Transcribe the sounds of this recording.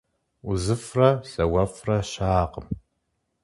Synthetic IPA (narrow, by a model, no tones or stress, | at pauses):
uzɨfrɐɬɐwɐfrɐɕaːqəm